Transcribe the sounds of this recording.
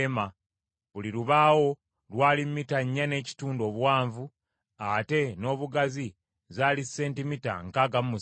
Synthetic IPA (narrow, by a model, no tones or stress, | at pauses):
ma | βuliɾuβaːwo̞ | lwaːlimːitaɲːane̞ːci̥tuːndo̞ːβwaːɱvu | ate̞no̞ːβuɡazi | zaːlise̞ːntimita̰ŋkaːɡammu